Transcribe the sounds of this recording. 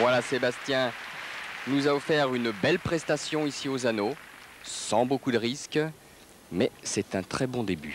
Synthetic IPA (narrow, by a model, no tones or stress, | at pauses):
vwalasebast̪jɛ̃ | nuzaɔfɛʁynbɛlpχɛst̪asjɔ̃isiozano | sɑ̃bokud̪əʁisk | mɛsɛt̪ɛ̃t̪χɛbɔ̃d̪eby̰